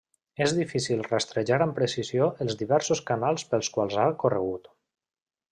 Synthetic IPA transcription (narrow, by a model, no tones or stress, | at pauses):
ezðifisilˠrəst̪ɾeʒaɾəmpɾesizjoʔəlˠzðiβɛɾsoskanalˠspəlˠskwalˠzakorə̰ɣ̞ut̪